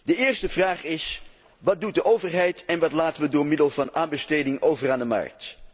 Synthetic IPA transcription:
dəɪːɹstəvraːχɪs | ʋɑt̚dut̚dəʔowvəɹɦɛjtɛnʋɑtlaːtənʋədʊːɹmɪdəlˠvɑnaːnbəstejdɪŋʔowvəraːndəmɑ̰ɹk̚t

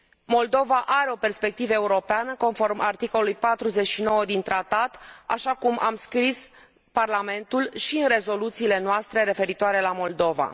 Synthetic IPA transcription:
mo̞ld̪o̞vaʔaɾe̞o̞pe̞rspe̞k̚t̪ivəeuɾo̞peanəko̞nfo̞rmʔart̪ikolulujpat̪ɾuze̞t͡ʃʃino̞wəd̪int̪ɾat̪at̪a̰ʃakumʔa̰mskɾis | parlame̞nt̪ulʃiɨnre̞zo̞lut̪siːle̞noast̪ɾe̞ɾe̞fe̞ɾit̪oaɾe̞lamo̞ld̪o̞va̰

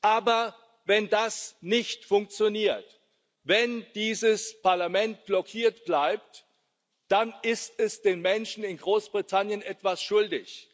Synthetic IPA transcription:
ʔaːbɐ | vɛndasnɪçtfʊŋk̚t͡sjoniːɐt | vɛnd̥iːzəspʰaɐlamɛnt̚b̥lɔkʰiːɐtb̥laɪp̚t | d̥anɪstɛsd̥eːnmɛnʃn̩ɪnɡʁoːsb̥ʁitʰanjənʔɛtv̥asʃʊldɪç

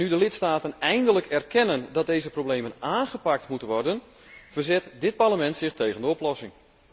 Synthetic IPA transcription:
nydəlɪtstaːtənɛjndələkɛrkɛnəndɑt̚dejzəprowblejmənaːnɣəpak̚tmutənʋɔrdən | v̥ərzɛtdɪt̚parləmɛntsɪχtejɣəndəɔplɔsɪŋ

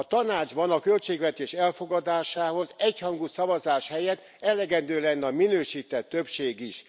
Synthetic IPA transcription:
ɒt̪ɒnaːd͡ʒbɒnɒkø̞lt͡ʃeːɡvɛt̪eːʃɛlfo̞ɡɒd̪aːʃaːɦo̞zɛchɒŋɡusɒvɒzaːʃhɛjɛt̪ː | ɛlɛɡɛnd̪øːlɛnːɛɒminøːʃiːt̪ɛt̪ːø̞pʃeːɡiʃ

